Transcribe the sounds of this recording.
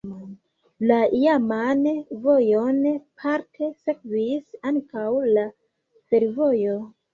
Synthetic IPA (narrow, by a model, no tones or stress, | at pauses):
laijamanvo̞jo̞npʰaɾtʰese̞kvisaŋkawla | fe̞ɾvo̞jo̞